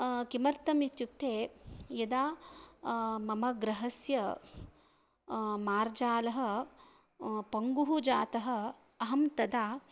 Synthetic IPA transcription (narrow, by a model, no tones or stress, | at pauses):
kimɐɾt̪ɐmit̪juk̚t̪ʰeːjɐd̪aː | mɐmɐɡɾɐɦɐsjɐ | maːɾd͡ʒaːlɐɦɐ̆ | pɐŋɡuɦud͡ʒaːt̪ɐɦɐ̆ | ɐɦɐmt̪ɐd̪aː